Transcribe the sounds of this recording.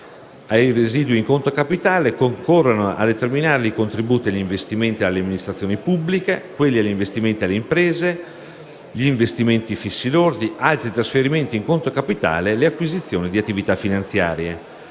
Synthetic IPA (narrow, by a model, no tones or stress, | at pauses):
ajreziːd̪wiŋkont̪ɾokapit̪aːlekoŋkorːanoa̰d̪et̪erminaːɾelikont̪ɾibuːt̪iaʎːiɱvest̪iment̪ialːeamːinist̪ɾat̪sːjoːnipubːlikekwelːiaʎːiɱvest̪iment̪ialːeimpɾeːze | ʎiːɱvest̪iment̪ifisːid̪ord̪ialt̪ɾit̪ɾasfeɾiment̪iŋkont̪ɾokapit̪a̰ːleleakːwizit̪sːjoːnid̪iat̪ːivit̪afːinant̪sjaːɾje